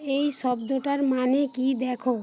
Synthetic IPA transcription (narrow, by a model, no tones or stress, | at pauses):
ejʃɔbd̪oʈaɾmanekid̪ɛkʰo